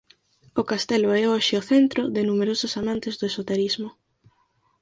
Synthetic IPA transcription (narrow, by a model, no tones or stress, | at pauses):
ʊkast̪ɛlʊɛoʃɪʊθɛnt̪ɾʊðɪnumeɾosʊsamãnt̪ɪzðʊesot̪eɾizmʊ